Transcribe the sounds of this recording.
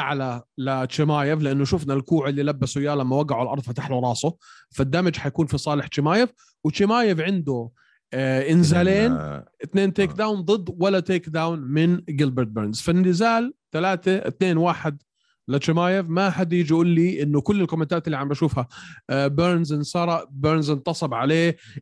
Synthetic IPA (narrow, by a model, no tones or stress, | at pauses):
ʔaʕlalɪt͡ʃːɪmaːjɪvlɪʔanːʊʃʊfnalkuːʕɪlːilabːasʊjaːlamːawaɡaʕʊlʔɑ̰ɾˤðˤfɪt̪aħlʊɾˤɑːsʊ | fad̪ːamɪd͡ʒħajkuːnfisˤɑːlɪħt͡ʃɪmaːjɪv | wɪt͡ʃːɪmaːjɪvʕɪnd̪ʊ | ʔɪnzaːleːnɪt̪neːnt̪eːkd̪awnd̪ˤɨd̪ːwalːat̪eːkd̪awnmɪnɡɪlbɪɾt̪̚beɾnz̥fɪnːɪzaːlt̪alaːt̪at̪neːnwaːħɪd̪ | lɪt͡ʃɪmaːjɪvmaħad̪jɪd͡ʒiʔuːlːiʔɪnːʊkʊlːɪlkʊmat̪aːt̪ɪlːiʕambʔaʃuːfhabeɾnzɪnsɑɾˤɑʔbeɾnzɪnt̪ɑsˤɑbʕaleː